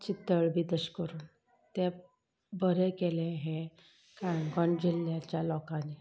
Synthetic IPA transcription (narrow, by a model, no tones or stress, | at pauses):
t͡ɕit̪ːəɭbʱid̪əɕkəɾuːn | t̪ɛ | bəɾekelẽɦẽ | kaɳɡɔɳd͡ʑilːjat͡ɕjalɔkãni